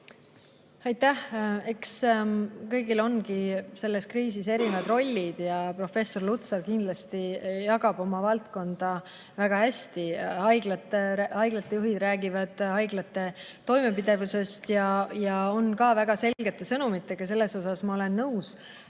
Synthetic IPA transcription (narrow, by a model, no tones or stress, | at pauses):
ɑjt̪ːæhe̞ks | kɤjɡilo̞nkise̞lːe̞skriːsise̞ɾinvɑd̪ro̞lʲːid̪̥jɑpro̞fe̞so̞rlut̪sɑrkind̪̥lɑst̪ijɑɡɑb̥o̞mɑvɑlt̪ko̞nd̪̥ɑ | væɡ̥ɑæsʲt̪iɑjɡlɑt̪ːehɑjɡ̥lɑt̪ːˑe̞juɦid̪ɾæːɡivɑd̪̥hɑjɡ̥lɑt̪ːe̞ | t̪ːo̞jme̞pid̪e̞vuse̞st̪jɑjɑo̞nkɑːvæɡ̥ɑse̞lɡe̞t̪ːˑe̞sɤnumit̪ːˑe̞ɡ̥ɑse̞lːe̞so̞sɑsmɑo̞le̞nːɤws